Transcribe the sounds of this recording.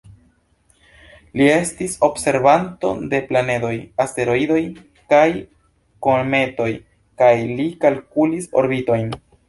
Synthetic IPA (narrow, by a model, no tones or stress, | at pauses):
lie̞stiso̞bse̞ɾbanto̞̰de̞plane̞do̞jaste̞ɾo̞ido̞j | kaj | koɾme̞to̞j | kajlikalkuliso̞̰ɾbito̞jn